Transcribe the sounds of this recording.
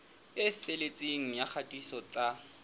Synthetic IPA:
ɪfelet͡sʼeŋ̩jak͡xʰatʼisɔt͡ɬʼa

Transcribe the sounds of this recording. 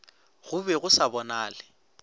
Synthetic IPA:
ɣʊbɛɣʊsabɔnaːlɪ

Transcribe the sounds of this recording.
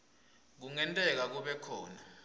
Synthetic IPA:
k̬uŋɛntʼɛk̬ak̬uɓɛkʰɔːna

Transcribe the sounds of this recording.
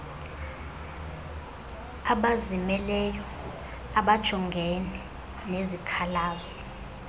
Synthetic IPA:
aɓazimɛlɛjɔ | aɓad̥ʒ̥ʱɔŋɡʱɛnɛ | nezikʰalaːzɔ

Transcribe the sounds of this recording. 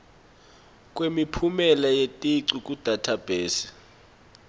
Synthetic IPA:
k̬ʼwemipʰumɛlajetʼiǀik̬ʼud̥ʱatʰab̥ʱeːsi̥

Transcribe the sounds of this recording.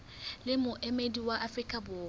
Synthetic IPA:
lɪmʊʔemediwaʔafrikʼabʊː

